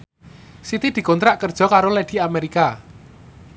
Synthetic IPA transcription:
sit̪id̪̥i̤kɔnt̪ɾaʔkərd̥ʒ̥ɔ̤kaɾoled̥i̤ameɾika

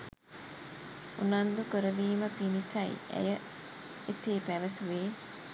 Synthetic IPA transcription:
unand̪ukəɾəʋiːməpinisɐj̰æ̰jə | eseːpæʋəsuʋeː

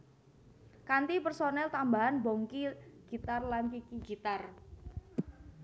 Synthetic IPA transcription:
kant̪ipərsonɛlt̪ambaɦanbɔŋkiɡ̥i̤t̪arlankikiɡ̥i̤t̪ar

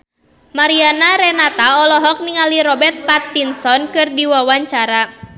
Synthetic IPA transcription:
maɾianaɾɛnat̪aɔlɔɦɔk̚niŋaliɾɔbɛrt̪̚pat̪ːinsɔnkɨrdiwawaɲt͡ʃaɾa

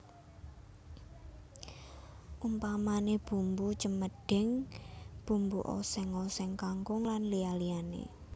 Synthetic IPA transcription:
ʔumpamaneb̥ṳmbut͡ʃəməɖ̥ɪ̤ŋb̥umbuʔɔ̰sɛŋɔsɛŋkaŋkʊŋlanlialianḛ

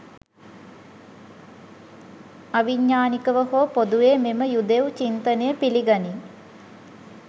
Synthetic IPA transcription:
ɐʋiɲːaːnikəʋəɦoːpod̪uʋeːmeməjud̪eut͡ʃint̪ənejəpiliɡani

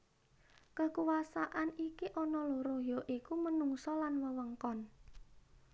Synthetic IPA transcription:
kəkuwasaʔanikiʔɔnɔloɾojɔʔikumənuŋsɔlanməwəŋkɔn

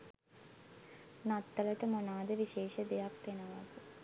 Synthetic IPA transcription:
nat̪ːələʈəmonaːd̪əʋiʃeːʃəd̪ejak̚t̪enəʋak̪ə

